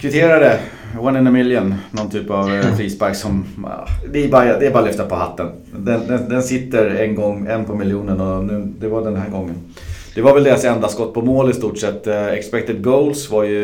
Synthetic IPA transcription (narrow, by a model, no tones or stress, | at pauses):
kʰvɪt̪ʰeːɾaɾə | wanɪnəmɪljənnɔnt̪ʰyːpavfɾiːsbæɾksɔmɑ̰d̪ɛːbɑad̪ɛːbɑːɾalʏft̪apʰɔhat̪ːən | d̪ɛnd̪ɛnd̪ɛnsɪt̪ːəɾɛnɡɔŋːɛnpʰɔmɪljuːnənɔnʉːd̪ɛvaɖɛnɦæːɾɡɔŋːən | d̪̥ɛvaɾvɛld̪eːɾasɛnd̪askɔt̪ːpʰɔmoːlɪst̪uːʈʂɛt̪ːɛkspɛk̚t̪ɪd̪̚ɡoʊlsvaɾjɵ